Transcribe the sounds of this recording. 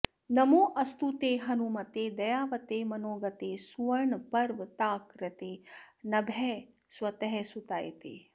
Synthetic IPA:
nɐmoːʔɐst̪ut̪eːɦɐnumɐt̪eːd̪ɐjaːʋɐt̪eːmɐnoːɡɐt̪eːsuʋɐɾɳpɐɾʋt̪aːkɾɐt̪eːnɐbʱɛ | swɐt̪ɐɦɛsut̪aːj̰t̪eː

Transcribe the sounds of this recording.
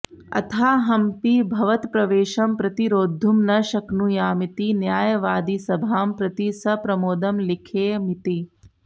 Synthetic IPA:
ɐ̰t̪ʰaːɦɐmpibʱɐʋɐt̪pɾɐʋeːʃɐmpɾɐt̪iɾoːd̪ʱːumnɐʃɐknujaːmit̪injaːjɐʋaːd̪isɐbʱaːmpɾɐt̪isɐpɾɐmoːd̪ɐmlikʰeːmit̪i

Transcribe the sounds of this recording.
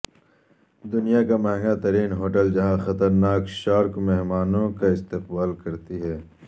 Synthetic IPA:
d̪ʊnijakamɐɦɛ̃ŋɡat̪ɐɾiːnɦoːʈəld͡ʒɐɦãxɐt̪əɾnaːkʃaːɾkmɛɦmaːnõkaɪst̪ɪqbaːlkɐɾt̪iɦɛː

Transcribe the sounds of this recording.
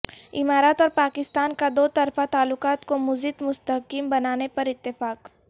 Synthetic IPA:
ɪmaːɾat̪ɔːɾpaːkɪst̪aːnkad̪oːt̪ɐɾfat̪aːlːʊqaːt̪komʊzɪt̪mʊst̪əɦkimbɐnaːnepɐɾɪt̪ːɪfaːk

